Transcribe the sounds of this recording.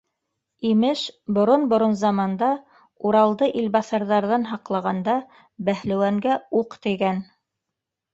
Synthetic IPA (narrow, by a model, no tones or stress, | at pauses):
imɘʃbŏɾonbŏɾonzɑmɑnd̪ɑ | uɾɑlˠd̪ɤʔilbɑθɑɾðɑɾðɑnɦɑqlˠɑʁɑnd̪ɑ | bæhlæ̆wæŋɡæuqt̪ɘɡæn